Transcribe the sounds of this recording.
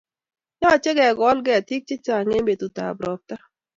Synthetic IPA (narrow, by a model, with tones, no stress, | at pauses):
ɲɔ˦a˨t͡ʃɪ˦ɡɛ˨ɡɔ˨˦lɡɛ˦a˨t̪i˦k̚t͡ʃɪ˦t͡ʃa˨ŋe˦mbe˨t̪u˨t̪a̰˨bɾɔ˨p̚t̪a˦